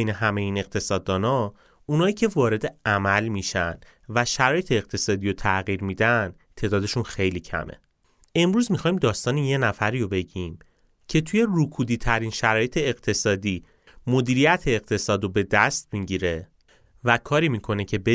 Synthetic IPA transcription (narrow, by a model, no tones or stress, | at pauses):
ejneɦæmejeiːne̞q̚t̪ʰe̞sɒːd̪ːɒːnɒ | unɒːiːcʰe̞vɒːɾe̞d̪e̞æmælmiʃæ̰n | væʃæɾɒːje̞t̪ʰeːɣ̚t̪ʰe̞sɒːd̪iːɾot̪ʰæɣiːɾmiːd̪æn | t̪ʰe̞ːd̪ɒːd̪e̞ʃunxejliːcʰæ̰mʔḛ | e̞mɾuːzmixɒːjmd̪ɒːst̪ɒːnejenæfæɾiːjobe̞ɟim | cʰe̞t̪ʰuje̞rukʰuːd̪iːt̪ʰæɾinʃæɾɒːje̞t̪ʰe̞ːɢt̪ʰe̞sɒːd̪iː | mo̞d̪iːɾijæt̪ʰeːɣ̚t̪ʰe̞sɒːd̪obe̞d̪æst̪miɟiːɾe̞ | vækʰɒːɾiːmikʰo̞ne̞cʰe̞be